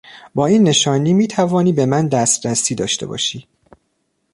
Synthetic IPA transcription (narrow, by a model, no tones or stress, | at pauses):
bɒːiːnːe̞ʃɒːniːmiːt̪ʰævɒːniːbe̞mænd̪æst̪ɾæsiːd̪ɒ̰ːʃt̪e̞̰bɒ̰ːʃiː